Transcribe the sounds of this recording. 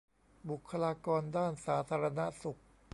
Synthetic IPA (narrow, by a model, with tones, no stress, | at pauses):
bu˨˩kʰːa˧laː˧kɔː˧ndaː˥˩nsaː˩˦t̪ʰaː˧ɾa˧na˦˥su˨˩k̚